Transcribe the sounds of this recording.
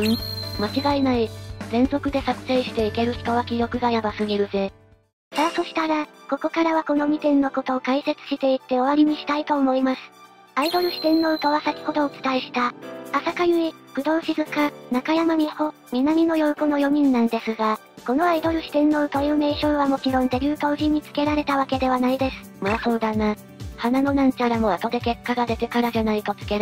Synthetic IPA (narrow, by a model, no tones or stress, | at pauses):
mat͡ɕiɡainaizẽ̞nzo̞kɯ̟d̪e̞sakɯ̟̥se̞ːɕi̥t̪e̞ike̞ɾɯ̟çi̥t̪o̞βakʲijo̞kɯ̟ɡajabasɨɲ̟iɾɯ̟ze̞ | saso̞ɕi̥t̪aɾako̞ko̞kaɾaβako̞no̞mʲit̪ẽ̞nːo̞ko̞t̪o̞ːkaise̞t͡sɨ̥ɕi̥t̪e̞it̪ːe̞o̞βaɾʲiɲ̟iɕi̥t̪ait̪o̞ːmo̞imasɨ̥ | aid̪o̞ɾɯ̟ɕi̥t̪ẽ̞nːo̞ɯ̟t̪aβasakʲi̥ko̞t̪o̞ːt͡sɨ̥t̪aiɕi̥t̪aasakajɯ̟i | kɯ̟d̪o̞ːɕizɨkanakajamaɲ̟iho̞ | mʲinamʲino̞jo̞ɯ̟kono̞jo̞ɲ̟ĩnːãnd̪e̞sɨɡa | ko̞no̞aid̪o̞ɾɯ̟ɕi̥t̪ẽ̞nːo̞ɯ̟t̪ojɯːme̞ɕõɰ̃βamo̞t͡ɕiɾõ̞nd̪e̞bʲjɨ̟ːt̪o̞ːʑiɲ̟ːit͡sɨ̥ke̞ɾaɾe̞t̪aβake̞d̪e̞β̞anaid̪e̞sɨ̥ | maso̞ːd̪ana | hanano̞nãɲ̟t͡ɕaɾamo̞at̪o̞d̪e̞ke̞kːaɡad̪e̞t̪e̞kaɾaʑanait̪o̞t͡sɨ̥ke̞ɾ